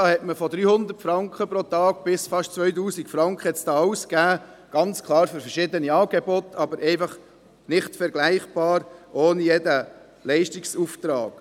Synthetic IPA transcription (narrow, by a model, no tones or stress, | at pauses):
dɑːhɛtməfɔd̪ɾyːhʊnd̪ətfɾɑŋkχəpɾot̪ɑːɡ̥̚b̥ɪsfɑʃtt͡sʋœʏt̬uːsikfɾɑŋkχəɛtsd̥ɑːɑʊskæː | ɡ̥ɑnt͡skʰlˠɑːɾføɾfɛɾʃɪd̪əniɑːɡebot̪ʰɑbəɾʔɛɪfɑχ | nɪχtfɛɾɡlæɪχb̥ɑːɾʔoːnijɛdə | lɛɪʃtiksuft̪ɾɑ̰ːɡ̥